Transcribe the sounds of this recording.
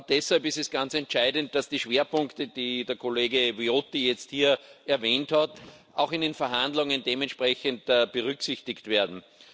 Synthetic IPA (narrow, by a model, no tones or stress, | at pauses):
d̥ɛshalpɪstɛsɡ̥ant͡sɛntt͡ʃaɪdənt̚d̥asd̥iːʃv̥eːɐpʊ̃ŋktəd̥iːdeɐkʰoleːɡəviotijɛt͡sthiːɐɛɐveːnthat | aʊxɪndeːnfɛɐɦãndlʊŋəndeːmɛntʃpʁɛçəntːb̥əʁʏksɪçtɪçtv̥eːɐdn̩